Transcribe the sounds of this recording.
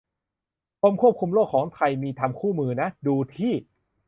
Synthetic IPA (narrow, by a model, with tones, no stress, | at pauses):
pʰo˧˥mkʰu˥˩p̚kʰu˧mloː˥˩kʰːɔː˩˦ŋt̪ʰɾa˧jmiː˧t̪ʰa˧mkʰuː˥˩mɯː˧na˦˥duː˧t̪ʰiː˥˩